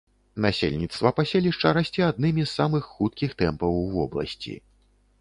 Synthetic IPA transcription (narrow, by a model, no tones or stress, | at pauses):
nasʲḛlʲnʲit̪st̪vɐpasʲelʲiʂt͡ʂɐɾasʲt͡sʲiad̪̚nɨmʲisːamɨxːut̪̚kʲixt̪ɛmpɐwvɔ̰blˠɐ̰sʲt͡sʲḭ